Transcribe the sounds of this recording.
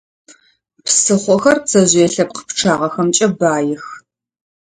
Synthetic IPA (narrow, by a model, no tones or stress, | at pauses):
psɨχʷɔxɐrt͡sʰɐʑeːɬɐp̚qə̥pʈ͡ʂʰaːʁɐxɐmt͡ʃʼɐbaːjɪx